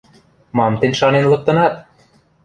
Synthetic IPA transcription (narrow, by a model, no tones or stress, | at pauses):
mɑmt̪ɘ̆nʲʃɑnenlˠɤ̆k̚t̪ɤ̆nɑt̪̚